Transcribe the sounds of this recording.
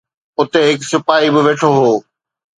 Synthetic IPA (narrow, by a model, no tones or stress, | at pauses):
ʊt̪eɦɪksʊpaːibɪʋeːʈʰoɦoː